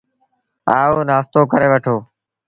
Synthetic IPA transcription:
aːoːnaːst̪oːkəɾeːʋəʈʰoː

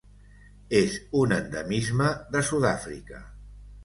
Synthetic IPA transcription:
ezunənd̪əmizməðəsuðafɾḭkə̰

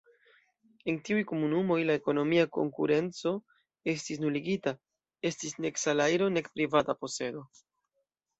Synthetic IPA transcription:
e̞ntiujko̞munumo̞jlae̞ko̞no̞miako̞̰ŋkṵɾe̞nt͡so̞ | e̞stis̬nuliɡita | e̞stisne̞ksalajɾo̞ne̞kpɾivatapo̞se̞do̞

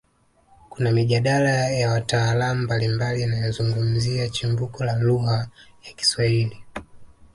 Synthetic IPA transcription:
kunamiʄaɗalajawataːlamumbalimbalianajɔzuŋɡum̩ziat͡ʃimvukɔlaluhajaki̥swaili

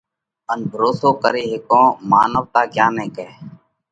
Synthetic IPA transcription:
ənbʱəɾoːsoːkəɾeːɦɪkõːma̰ːnəʋt̪aːkjaːnẽːkɛː

